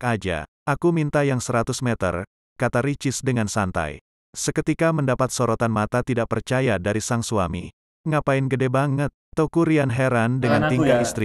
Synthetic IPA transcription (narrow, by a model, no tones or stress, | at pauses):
ad͡ʒa̰ | akumint̪ajaŋsəɾat̪ʊsmɛt̪ə̰r | kat̪aɾit͡ʃɪsdəŋansant̪a̰j | səkət̪ikaməndapat̪̚soɾot̪anmat̪at̪idaʔpərt͡ʃajadaɾisaŋsuami | ŋapaɪnɡədɛbaŋət̪ːokuɾianɦɛɾandəŋant̪iŋɡaist̪ɾi